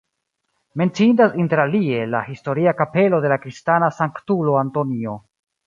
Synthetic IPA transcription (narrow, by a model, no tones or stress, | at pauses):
me̞nt͡sintasinte̞ɾalie̞la̰histo̞ɾiakape̞lo̞de̞lakɾistanasaŋktulo̞anto̞nio̞